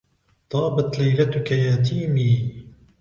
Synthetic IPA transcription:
t̪ˤɑːbat̪lejɾɐt̪ʊkɐjaːt̪̬ʰiːmiː

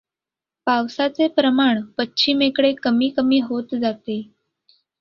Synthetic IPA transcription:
pawsat͡sepɾəmaɳpətːɕʰimekɽekəmiːkəmiːɦot̪d͡zat̪e

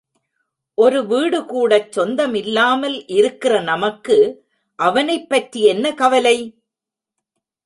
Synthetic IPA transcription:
ʔɔɾɯʋiːɽɯkuːɽɐt͡ʃːɔnd̪ɐmɪlːaːmɐlʔɪɾɯkːɪrɐnɐmɐkːɯ | ʔɐʋɐnɐɪpːɐʈrijɛnːɐkɐʋɐlɐɪ

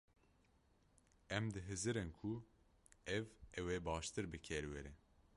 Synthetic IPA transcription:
ɛmd̪ɨɦɨzɨɾɨnkʰu | ɛvɛweːbɑːʃt̪ɨɾbɨkʲʰɛɾwɛɾɛ

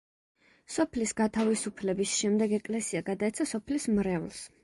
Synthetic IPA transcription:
sɔpʰlisɡat̪ʰavisupʰlɛbisʃɛmd̪ɛɡɛkʼlɛsiaɡad̪aɛt̪sʰasɔpʰlismɾɛvlˠs

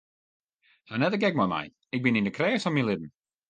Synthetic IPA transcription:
hanɛdəɡɛk̚mɔjma̰j | ɪk̚bɪnɪ̃ndəkʰɾɛːsɔnmilˠɪd̚n̩

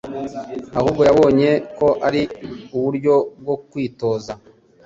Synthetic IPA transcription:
ahuːbɡo̞jaβo̞ːɲe̞ko̞ʔaɾiuβuɾɟo̞b̚ɡo̞kwiːto̞ːza

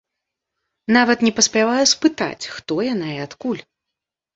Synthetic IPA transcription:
navɐt̪nʲɛpɐsʲpʲavajuspɨt̪a̰t͡sʲxt̪ɔjan̪ajɛat̪kulʲ

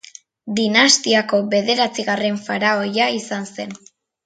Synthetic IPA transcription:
d̪inast̪iako̞βe̞ðe̞ɾat͡siɣare̞ɱfaɾao̞jaisanse̞n

